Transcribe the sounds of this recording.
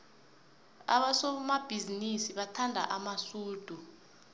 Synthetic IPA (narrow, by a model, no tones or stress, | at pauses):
a̰ɓasɔmab̥ʱizinisiɓatʰandʱa̰ʔamasuːd̥ʱu